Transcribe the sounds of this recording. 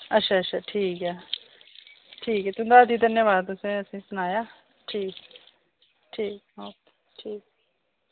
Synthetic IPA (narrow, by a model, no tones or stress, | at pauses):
ətːʃʰaːəʃʰaːʈʰiːkɦɛː | ʈʰiːkɛːt̪ʊ̃d̪aːd̪iːd̪ənjaːʋaːd̪ʊsẽəsĩːsʊnaːjaː | ʈʰiːk | ʈʰiːk̚bɔːt̪ | ʈʰiːk̚